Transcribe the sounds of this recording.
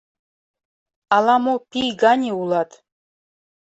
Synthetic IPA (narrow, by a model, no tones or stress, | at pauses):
ɑlˠɑmopʲijɡɑnʲeulˠɑt̪